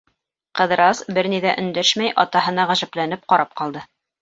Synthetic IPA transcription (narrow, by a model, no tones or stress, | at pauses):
qɤ̆ðɤ̆ɾɑsbɘɾniðæʔɵ̆nd̪æʃmæjʔɑt̪ɑɦɤ̆nɑʁæʒæplæn̪ɘp̚qɑɾɑp̚qɑlˠd̪ɤ